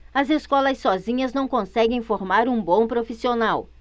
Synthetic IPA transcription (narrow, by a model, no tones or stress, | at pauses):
ɐzeskɔlɐsːɔzĩɲɐznɐ̃w̃kõsɛɡẽj̃foɾmaɾũbõw̃pɾofisionaw